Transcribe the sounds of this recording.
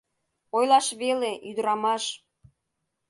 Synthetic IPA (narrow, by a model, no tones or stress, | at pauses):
ojlˠɑʃβeleʔyd̪əɾɑmɑʃ